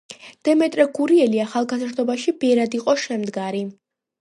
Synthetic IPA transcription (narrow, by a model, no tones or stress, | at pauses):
d̪̥ɛmɛt̪ʼɾɛɡuɾiɛliaχalˠɡazɾd̪ɔbaʃibɛɾad̪iqʼɔʃɛmd̪ɡaɾi